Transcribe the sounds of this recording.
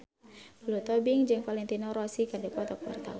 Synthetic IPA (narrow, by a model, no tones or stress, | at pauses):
lut̪ɔbiŋd͡ʒɨŋfalɛnt̪inɔɾɔsikadɛkɔt̪ɔkba̰rt̪a̰u